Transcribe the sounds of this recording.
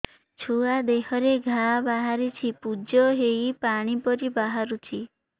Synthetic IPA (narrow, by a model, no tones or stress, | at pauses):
t͡ʃʰuad̪eɦɔɾeɡʱabaɦaɾit͡ʃʰipud͡ʒɔɦejpaɽ̃ipɔɾibaɦaɾut͡ʃʰi